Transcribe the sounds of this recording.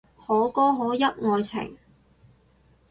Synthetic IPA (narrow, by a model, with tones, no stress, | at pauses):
hɔː˨˥kɔː˥ɦɔː˨˥jɐ˥p̚ŋɔː˧jt͡sʰɪ̰˨˩ŋ